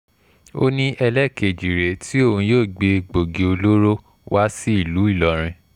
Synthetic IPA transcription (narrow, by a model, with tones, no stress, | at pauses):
o̰˦nĩ˧ʔɛ˧lɛ˦˨ke˨d͡ʒi˨ɾe˨tʰi˦o˦˨ũ˧joː˦˨ɡ͡be˧ɡ͡bo˨ɡe˨o˧lo˦ɾo˦ | wa˦si˦i˦˨lu˨˦i˦˨lɔ˨ɾ̃ĩ˧